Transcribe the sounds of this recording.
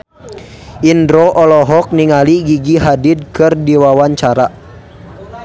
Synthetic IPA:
ʔindɾoʔɔlɔɦɔk̚niŋaliɡiɡiɦadid̚kɨrdiwawaɲt͡ʃaɾa

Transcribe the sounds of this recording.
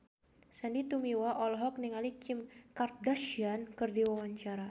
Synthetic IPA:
sanit̪umiwaʔɔlɦɔk̚niŋalikʰimkar̚d̪aʃiankɨrdiwawaɲt͡ʃaɾa

